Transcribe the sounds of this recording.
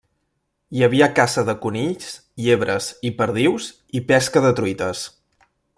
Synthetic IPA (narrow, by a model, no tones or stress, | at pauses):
jəβiəkasəðəkunit͡s | ʎeβɾəzipəɾð̞iwz | ipɛskəðət̪ɾuit̪əs